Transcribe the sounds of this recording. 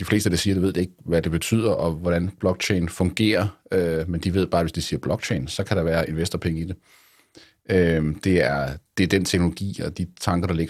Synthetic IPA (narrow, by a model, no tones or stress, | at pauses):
d̥ifle̝ːsd̥əd̥ɑsiːɐɾ̥eʋe̝ð̰̥ˠee̝ɡ̥̚ʋæd̥e̝b̥e̝t͡sʰy̰ð̰ˠɐʔɒ̽ʋɒɾ̥ænb̥lɒ̽ɡ̥t͡ɕʰeɪn̩fɔ̽ŋɡ̥e̝̰ːɐømend̥iʋe̝ð̞̰ˠb̥ɑ̈ːʋe̝sd̥isiːɐb̥lɒ̽ɡ̥̚t͡ɕʰeɪnsɒ̽kʰæɾ̥ɑ̈ʋæːɐe̝nʋesd̥ɐpʰeŋəid̥e̝ | ød̥e̝æɐd̥e̝æɐd̥ent͡sʰeɡ̥noloɡ̥ḭːɒd̥it͡sʰɑ̈ŋɡ̥ɐɾ̥ɑ̈le̝ɡ̥